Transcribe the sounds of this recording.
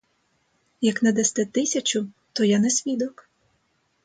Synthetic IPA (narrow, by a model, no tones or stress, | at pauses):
jɐknɐd̪ɛst̪ɛt̪ɪsʲɐt͡ʃʊ | t̪ɔjanɛsʲʋʲid̪ɔk